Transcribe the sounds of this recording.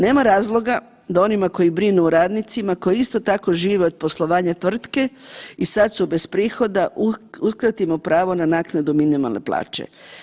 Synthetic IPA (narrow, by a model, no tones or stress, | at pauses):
ne̞ːmaɾaːzlˠo̞ɡa | d̪ao̞nimako̞jibɾinuːɾaːd̪nit̪simako̞jist̪o̞t̪ako̞ʒiːʋeo̞d̪̥̚po̞slˠo̞ʋaːɲat̪ʋr̩t̪ke̞isat̪sube̞spɾiːxo̞d̪auskɾat̪imopɾaːʋo̞nanaːknad̪uminima̰lnḛplˠa̰ːt͡ʃḛ